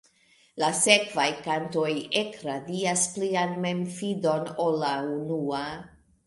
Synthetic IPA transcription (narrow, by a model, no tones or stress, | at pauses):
lase̞kvajkanto̞je̞kɾadiasplianme̞mfido̞no̞lːaunua